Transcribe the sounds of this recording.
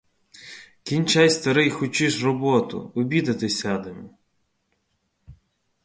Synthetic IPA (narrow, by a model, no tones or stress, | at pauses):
kʲinʲt͡ʃɑjsst̪ɐɾɪjxʊt͡ʃɪʃrɔbɔt̪ʊ̰ɔbʲid̪ɐt̪ɪsʲɑd̪ɪmʊ